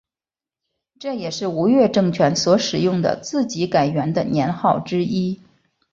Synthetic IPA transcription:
ʈ͡ʂɤ˥˩jɛ˨˩ʂɻ̩˥˩u˧˥ɥɛ˥˧ʈ͡ʂɤ˥˩ŋt͡ɕʰɥɛ˧˥nswɔ˧˥ʂɻ̩˨˩jʊ˥˩ŋd̪ə̰˨t͡sɹ̩˥˩t͡ɕi˧˥ka˨˩ɪɥɛ˧˥nd̪ə˧˨njɛ˧˥nxɑ˥˩ʊʈ͡ʂɻ̩˥i˥

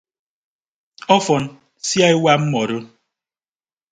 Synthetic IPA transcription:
ɔ˦fɔ˨n | sja˦i˦wa˦m̩˦mɔ˨ɾo˦

